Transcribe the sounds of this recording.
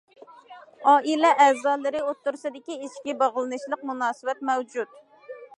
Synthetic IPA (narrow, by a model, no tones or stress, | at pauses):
ɑːʔilɛʔɛzɑːlˠɨɾɪot̪ːuɾsɨd̪ɪkʲiiʃkʲibɑʁlˠɨnɨʃlˠəqmunɑːsɨwɛt̪̚mɛwd͡ʒut̪